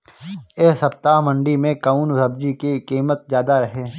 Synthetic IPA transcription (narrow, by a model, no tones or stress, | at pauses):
eːsɐp̚t̪aːɦmɐ̃ɳɖimẽkaunzɐbd͡ʒikikiːmət̪̚zjaːd̪aɾɐɦeː